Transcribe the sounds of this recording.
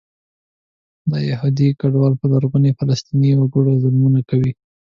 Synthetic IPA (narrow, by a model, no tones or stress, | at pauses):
d̪əjɪhud̪ikaɖwɑlpəlaɾɣʊnefalast̪iniwaɡuɽazʊlmunakawi